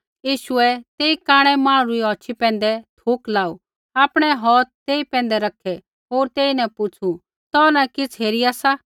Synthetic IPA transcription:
jiːʃʊɛt̪eːikaːɽ̃ɛmãːɽ̃ɾuiɔːt͡ʃʰipɛ̃ːnd̪ɛt̪ʰuːklaːu | aːpɽ̃ɛɦɔːt̪̚t̪eːipɛ̃ːnd̪ɛɾɐkʰɛ | ɦoːɾt̪eːinɛ̃pʊt͡sʰu | t̪ɔnakɪt͡sʰɦeːɾiaːsa

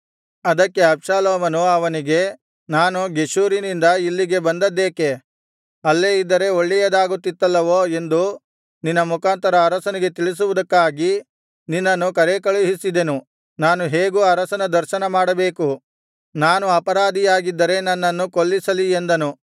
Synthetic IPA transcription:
ɐd̪ɐkːe̞ɐbʃaːloːmɐnuɐʋɐniɡe̞ | naːnuɡe̞ʃuːɾinind̪ɐilːiɡe̞bɐnd̪ɐd̪ːeːke̞ | ɐlːeːid̪ːɐɾe̞oɭːɛjɐd̪aːɡut̪ːit̪ːɐlːɐʋoːe̞nd̪u | ninːɐmukaːnt̪ɐɾɐːɾɐsɐniɡe̞t̪iɭis̬uʋud̪ɐkːaːɡi | ninːɐnːukɐɾekɐɭuɦisid̪e̞nu | naːnuɦe̞ːɡuɐɾɐsɐnɐd̪ɐɾʃɐnɐmaːɽɐbe̞ːku | naːnuɐpɐɾaːd̪ijaːɡid̪ːɐɾe̞nɐnːɐnːukoɭːisɐliend̪ɐnu

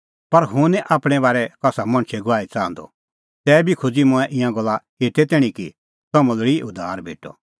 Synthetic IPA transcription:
pɐɾɦʊ̃nɛ̃ʔaːpɽ̃ɛβaːɾɛkɐsamɐ̃ñt͡ʃʰɛɡʊʋaːit͡sãːnd̪ɔ̰ | t̪ɛːbʱikʰʊd͡zimʊ̃ɛ̃ʔɪ̃jãɡɔlːa | eːt̪ɛt̪ɛːɽ̃ĩki | sɐmə̃ləɽiʊd̪ʱa̰ːɾbʱeːʈɔ̰

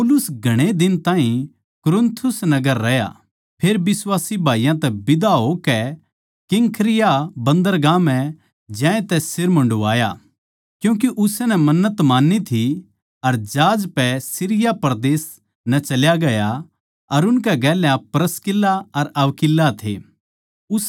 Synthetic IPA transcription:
pɔlʊsɡʱɐɽ̃ed̪ɪnt̪aːɦĩ | kʊɾɪnt̪ʰːʊsnɐɡəɾːɐja̰ | pʰeːɾbɪswaːsibʱaːijãt̪ɛbɪd̪aɦokɛ | kɪŋkʰɾɪjabɐ̃nd̪əɾɡãːmɛ | d͡ʒɛ̃ːẽt̪ɛsɪɾmɐ̃ɳɖua̰ːja̰ | kjũːk̬iʔʊsnɛmɐnːət̪maːnːit̪ʰi | ɐɾd͡ʒaːd͡ʒpɛsɪɾɪjapɾd̪eːs | nɛt͡ʃɐljaɡɐja | ɐɾʊnk̬ɛɡɛːljãpɾəskɪlːaɐɾɐʋkɪlːat̪ʰḛ | ʊs

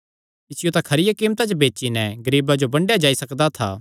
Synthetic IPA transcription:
ɪsɪjot̪ãkʰɐɾɪjakĩːmt̪at͡ʃobeːt͡ʃinɛɡɐɾiːbad͡ʒobɐ̃ɳɖjad͡ʒaːisɐkd̪at̪ʰa̰ː

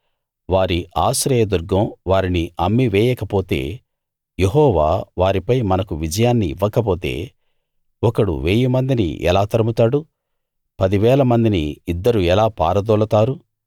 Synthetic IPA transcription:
ʋaːɾiʔaːsɾɛːjɐd̪uɾɡɐ̃mʋaːɾiniɐmːiʋɛːjɛkɐpoːt̪ḛː | jeɦɔːʋa̰ːʋaːɾipɐjmɐnɐkuʋid͡ʒɐjaːnːiːʋːɐkɐp̬oːt̪e̞̰ː | ɔkɐɽṵʋeːjimɐnd̪inḭʔɛ̰laːt̪ɐɾɐmut̪aːɽu | pɐd̪iʋɛːlɐmɐnd̪iniːd̪ːɐɾuɛlaːpa̰ːɾɐd̪ɔːlɐt̪aːɾu

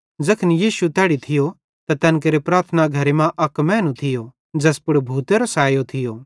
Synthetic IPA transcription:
d͡zɐkʰnijiːʃut̪ɛːɽit̪ʰɪjo | t̪at̪ɛːnk̬eɾepɾaːɾt̪ʰnaɡʱɐɾemãʔɐkmɛ̃ːnũt̪ʰɪjo | d͡zɛːspʊɽbʱuːt̪eɾɐsaːjot̪ʰɪjoː

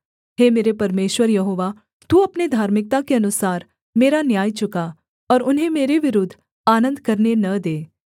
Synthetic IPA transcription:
heːmeːɾepɐɾmeːʃwəɾjɐɦoːʋa | t̪uɐpned̪ʱaːɾmɪk̚t̪akeɐnʊsaːɾ | meːɾanjaːjt͡ʃʊka | ɔːɾʊnɦẽmeːɾeʋɪɾʊd̪ʱː | aːnə̃nd̪kɐɾnenɐd̪eː

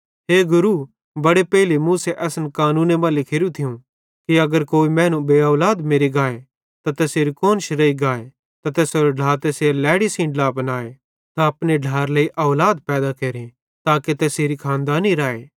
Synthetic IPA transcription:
ɦeːɡʊɾu | bɐɽepɛɦɪlimũːseʔɛːsnkaːnũːnemãlɪkʰeɾũt̪ʰɪjũ | kiɐɡəɾkoːimɛ̃ːnũbeːɐːlaːd̪meːɾiɡaːe | t̪at̪ɛːseːɾikoːnʃɾɐiɡaːe | t̪at̪ɛːsoːɾoɖʱaːɾt̪ɛːselɛːɽisĩːɖlaːpənaːe | t̪ãɐpneɖʱaːɾleiʔɔːlaːd̪̚pɛːd̪akeːɾĩ | t̪aːket̪ɛːseːɾikʰãːnd̪aːniɾaːeː

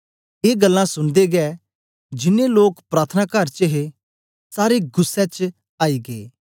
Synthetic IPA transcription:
eːɡɐlːãsʊ̃nd̪eɡɛː | d͡ʒɪnːeloːkpɾaːt̪ʰənaːkəɾt͡ʃəɦe | saːɾeɡʊsːɛt͡ʃ | aːiːɡḛː

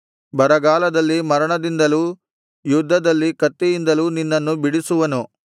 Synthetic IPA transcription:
bɐɾɐɡaːlɐd̪ɐlːimɐɾɐɳɐd̪ind̪ɐluː | jud̪ʱːɐd̪ɐlːikɐt̪ːijind̪ɐluːninːɐnːubiɽisuʋɐnu

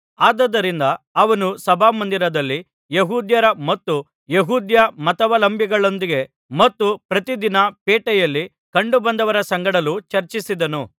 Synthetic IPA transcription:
aːd̪ɐd̪ɐɾind̪ɐːʋɐnusɐbʱaːmɐnd̪iɾɐd̪ɐlːi | jeɦuːd̪jɐɾɐmɐt̪ːu | jeɦuːd̪jɐmɐt̪ɐʋɐlɐmbʱjiɡɐɭo̞nd̪iɡe̞ | mɐt̪ːupɾɐt̪id̪inɐpeːʈɛjɐlːi | kɐɳɖubɐnd̪ɐʋɐɾɐsɐŋɡɐɽɐlut͡ʃɐɾt͡ʃisid̪ɐnu

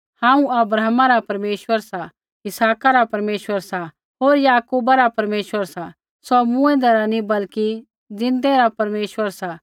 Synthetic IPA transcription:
hãːũɐbɾaːɦmãɾapɐɾmeːʃwəɾsa | ɪsaːkaɾapɐɾmeːʃwəɾsa | ɦoːɾjaːkuːbaɾapɐɾmeːʃwəɾsa | sɔmũɛ̃d̪ɛɾanĩbɐlki | d͡zɪ̃nd̪ɛɾapɐɾmeːʃʋəɾsa

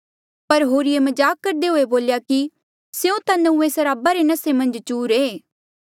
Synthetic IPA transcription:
pɐɾɦoːɾiemɐd͡ʒaːkːɐɾd̪eɦoːeboːljaki | seõt̪anɐũːẽsɐɾaːbaɾenɐsemɐ̃nd͡ʒt͡ʃuːɾeː

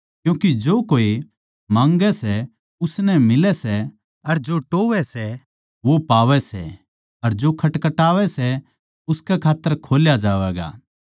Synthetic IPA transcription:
kjũːkid͡ʒoːkoːi | mãːŋɡɛsɛ | ʊsnɛmɪlɛsɛ | ɐɾd͡ʒoːʈoːʋɛsɛ | ʋopaːʋɛsɛ̰ | ɐɾd͡ʒoːkʰɐʈkɐʈaːʋɛsɛ | ʊskɛkʰaːt̪ːəɾkʰoːljad͡ʒaːʋɛːɡa̰ː

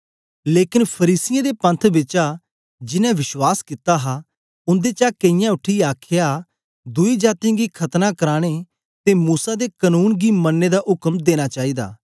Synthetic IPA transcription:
leːkɪnpʰəɾiːsɪjãːd̪epə̃nt̪ʰbɪt͡ʃa | d͡ʒɪnɛ̃ʋɪʃwaːskɪt̪aɦa | ʊ̃nd̪et͡ʃaːkɐɪjãʊʈʰiaːkʰɪja | d̪ʊid͡ʒaːt̪ĩɡikʰɐt̪nakəɾaːɽ̃e | t̪emuːsad̪ekənuːnɡimənːed̪aʔʊkəmd̪eːɽ̃at͡ʃaːid̪a̰ː

